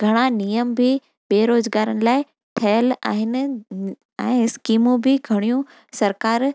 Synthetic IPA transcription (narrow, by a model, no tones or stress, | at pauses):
ɡʱɐɽ̃anijəmbʱɪ | ɓeːɾoːzɡaːɾəñɪ̆laːɪ | ʈʰɐjəla̰ːɦɪnɪ̆ | ɛ̃ːskiːmũbʱɪɡʱɐɽ̃ijũ | sɐɾkaːɾ